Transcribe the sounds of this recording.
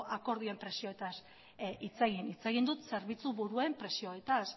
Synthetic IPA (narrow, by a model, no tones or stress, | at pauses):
ʔako̞ɾðie̞mpɾe̞sio̞et̪as | it͡se̞ɣinit͡se̞ɣind̪ut̪se̞ɾβit͡suβuɾue̞mpɾe̞sio̞e̞t̪as